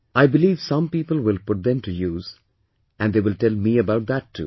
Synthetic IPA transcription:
aɪbɪliːʋsʌ̃mpiːpəlˠwɪlˠpʊʈ̚d̪ɛ̃mʈujuːz | ʔæ̃nd̪eːwɪlʈɛlˠmiəbaʊʈ̚d̪ætʰːṵː

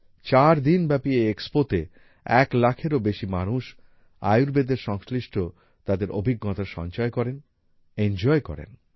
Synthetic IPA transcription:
t͡ɕaɾd̪inbɛpieekspot̪e | ɛklakʰeɾobeʃimanuʃ | a̰juɾbed̪eɾʃɔŋsliʃʈʰo | t̪ad̪eɾo̰bʱiɡːɔt̪aʃɔ̰ɲt͡ɕɔekɔɾen | end͡ʑɔekɔ̰ɾḛn

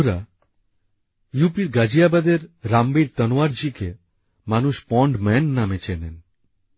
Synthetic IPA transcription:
ɾa | jupiɾɡad͡ʑijabad̪eɾːambiɾt̪ənoaɾd͡ʑike | manuʃpɔɳɖmɛnːamet͡ɕenen

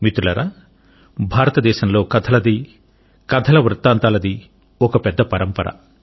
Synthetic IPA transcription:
mit̪ulɐ̰ɾa | bʱaːɾɐt̪ɐd̪ɛːʃɐmlo̞ːkɐd̪ʰɐlɐd̪i | kɐd̪ʰʱɐlɐʋɾɨt̪ːaːnt̪aːlɐd̪i | ɔkɐpɛd̪ːɐpɐɾɐmpɐɾɐ̰

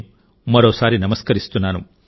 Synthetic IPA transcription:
mɐɾoːsaːɾinɐmɐskɐɾist̪unaːnu

